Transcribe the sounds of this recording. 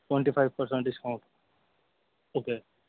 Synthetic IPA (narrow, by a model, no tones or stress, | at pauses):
ʈwẽɳʈifajʋpəɾsə̃ɳʈ̚ɖɪskãʊ̃ɳʈ | okeː